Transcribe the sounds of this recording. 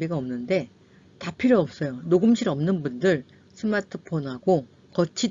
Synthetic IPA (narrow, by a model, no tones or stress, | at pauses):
iɡaʌmnɯnde̞ | tapʰiɾjoʌp̚s͈ʌjonoɡɯmɕʰiɾʌmnɯnbundɯɭ | sʰɯmatʰɯpʰonɦaɡo | kʌt͡ɕʰi